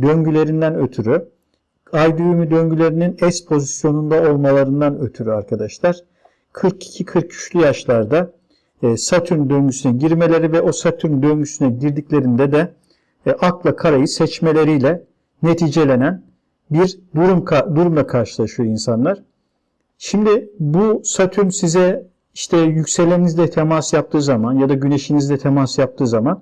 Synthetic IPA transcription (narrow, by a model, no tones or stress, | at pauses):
d̪ø̞ɲɟylʲe̞ɾind̪ænøt̪ʰyɾy | ajd̪yjymyd̪ø̞ɲɟylʲe̞ɾininɛspʰo̞zisjo̞nund̪ao̞lˠmalˠaɾɯnd̪anø̞t̪ʰyɾyaɾkʰad̪aʃlˠaɾ̥ | kʰɯɾki̥cʰikʰɯɾk̚cʰy̥ʃlʲyjaʃlˠaɾd̪a | sat̪ʰyɾnd̪ø̞ɲɟysynɛɟiɾme̞lʲe̞ɾivɛʔo̞sat̪ʰyɾnd̪ønɟysynɛɟiɾd̪iclʲe̞ɾind̪ɛd̪ɛ | ʔaklˠakʰaɾajɯsɛt͡ʃme̞lʲe̞ɾijlʲɛ | net̪ʰiːd͡ʒe̞lʲe̞næn | biɾd̪uɾumkʰd̪uɾumlˠakʰaɾʃɯlˠaʃɯjoinsanlˠaɾ̥ | ʃimd̪ɪbusat̪ʰyɾnsizɛ | iʃt̪ʰɛjycʲse̞lʲeinizd̪ʲɛt̪ʰemasjap̚t̪ʰɯːzamanjad̪aɟyne̞ʃinizd̪ɛt̪ʰemasjap̚t̪ʰɯːzaman